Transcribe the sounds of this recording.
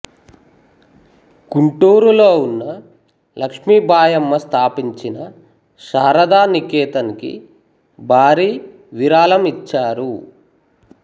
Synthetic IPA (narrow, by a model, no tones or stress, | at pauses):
kuɳʈuːɾuloːunːɐ | lɐkʂmiːbʱaːjɐmːɐst̪ʰaːpiɲt͡ʃinɐ | ʃaːɾɐd̪aːnikɛːt̪ɐnikḭ | bʱaːɾiː | ʋiɾaːlɐmit͡ʃːaːɾu